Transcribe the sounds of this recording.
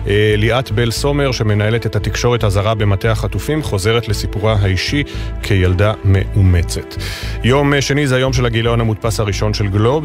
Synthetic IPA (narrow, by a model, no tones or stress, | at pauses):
liʔat̪be̞lso̞meʁʃe̞me̞nae̞le̞tethatikʃo̞ʁethazaʁabe̞mate̞haχatufimχo̞ze̞ʁetle̞sipuʁaɦaiʃikʰejaldame̞̰ʔumet͡se̞tjo̞mʃe̞nizeajo̞mʃ̬elhaɡilaonhamut̚pashaʁiʃo̞nʃe̞lɡlo̞b